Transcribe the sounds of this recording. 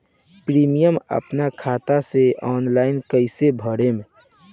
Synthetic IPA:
pɾiːmijəmə̰pnakʰaːt̪aseɔːnlaːɪnkəɪsebʱəɽemẽ

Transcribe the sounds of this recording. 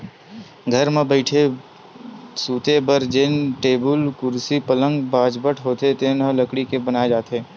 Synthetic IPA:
ɡʱɐɾmẽbəɪʈʰe | suːt̪ebəɾd͡ʒɪnʈeːbʊlkʊɾsipələ̃ŋɡbaːd͡ʒbəʈʰɦoːt̪et̪enələkɽikebənaːed͡ʒaːt̪eː

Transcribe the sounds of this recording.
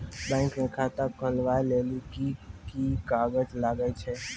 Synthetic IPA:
bɛ̃ːŋknẽkʰat̪əkʰəlʋaːjleːlukikikaːɡəd͡ʒlaːɡəit͡ʃʰeː

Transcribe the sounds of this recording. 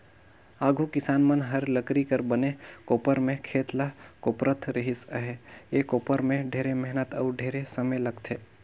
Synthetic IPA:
aːɡʱukɪsaːnmənɦəɾləkɾikəɾbənekoːpəɾmẽkʰeːt̪lakoːpɾət̪ʰɾəɦisəɦeekoːpəɾmẽɖʱeːɾemɛɦnət̪əːɾɖʱeːɾesəməjləɡt̪ʰe

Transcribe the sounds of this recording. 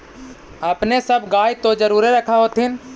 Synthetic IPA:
əpnesəbɡaːjt̪od͡ʒəɾuːɾeɾəkʰaɦoːt̪ɪn

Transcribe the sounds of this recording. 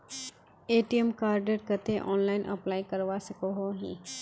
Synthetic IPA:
eːʈijemkaːɾɖəɾkət̪eʔɔːnlaːɪnʔɐ̰plaːikɐɾʋasɐkoɦoɦḭ̃ː

